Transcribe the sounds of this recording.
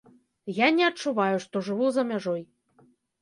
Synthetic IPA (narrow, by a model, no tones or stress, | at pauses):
janʲɛɐt͡ʃːuβɑjʊʂt̪oʐɨβuzamʲæʐoj